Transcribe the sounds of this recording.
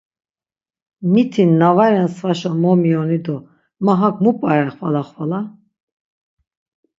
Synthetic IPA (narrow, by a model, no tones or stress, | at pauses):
mit̪ʰinːavaɾɛnsvaʃɔmɔmiɔnid̪ɔ | maɦakmupʼaɾɛχvalaχvala